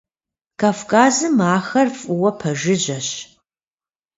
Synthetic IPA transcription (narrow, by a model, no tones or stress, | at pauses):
kʰaːfkʰʼaːzɨmaːxɐrfʼʊwɐpʰɐʒɪʑɐɕ